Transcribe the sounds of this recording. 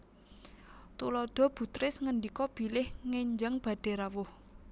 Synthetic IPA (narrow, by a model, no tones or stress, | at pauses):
t̪ulɔd̪̥ɔ̤b̥ṳt̪ɾɪsŋəndikɔb̥i̤lɪhŋeɲd͡ʒaŋb̥ä̤ɖ̥e̤ɾawʊh